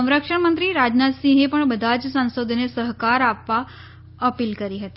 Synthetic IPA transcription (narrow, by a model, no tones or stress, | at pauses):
sə̃w̃ɾəkʂəɳmənt̪ɾiːɾad͡ʑnat̪sĩɦepəɳbəd̪ʱat͡ssə̃w̃sod̪ʱnesəɦkaɾapːa | əpiːlkəɾiɦət̪i